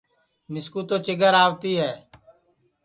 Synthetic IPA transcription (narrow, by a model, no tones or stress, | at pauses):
mɪskuːt̪oːt͡ʃɪɡəɾaːʋt̪iːɦɛː